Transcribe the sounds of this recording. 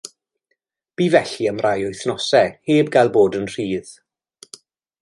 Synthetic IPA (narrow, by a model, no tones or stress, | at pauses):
b̥iːvɛɬiəmrajʊjθnɔsɛheːbɡalˠboːdənr̥iːð̥